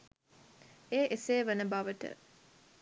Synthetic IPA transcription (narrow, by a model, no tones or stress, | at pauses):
eːʔeseːʋənəbaʋəʈə̰